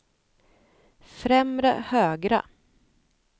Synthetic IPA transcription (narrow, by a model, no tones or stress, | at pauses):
fɾɛmɾə̰høːɡɾa̰